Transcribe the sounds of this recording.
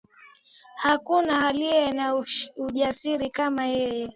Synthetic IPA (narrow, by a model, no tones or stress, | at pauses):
hakunahaliɛnauʄasiɾikamajɛjɛ